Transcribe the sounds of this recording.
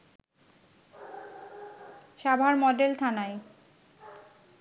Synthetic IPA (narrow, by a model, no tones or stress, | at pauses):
ʃabʱaɾmɔɖelt̪ʰanae